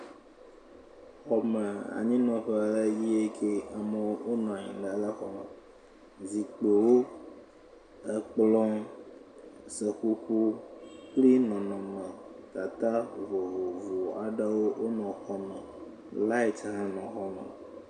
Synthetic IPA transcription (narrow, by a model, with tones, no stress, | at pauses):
xɔ˨mə˨a̰˨ɲĩ˦nɔ̃˨ɸɛ˦a˨lə˦ji˦e˦kʰe˦a˨mə˨wo˦o˦nɔ̃˨ɲḭ̃˨ɖə˨˦lə˦xɔ˨mə˨ | zi˨k͡pe˨wo˦ | ə˦k͡plɔ̃˦ | sə˨xu˦ku˦k͡pli˦nɔ̃˨nɔ̃˨mə̃˨ta˨t̪a˦vo˨vo˨vu˨a˨ɖə˦wo˦wʔo˦nɔ̃˨xɔ˦mə˨ | la˦i˦t̪ɦã˦nɔ̃˨xɔ˦mɛ̰̃˨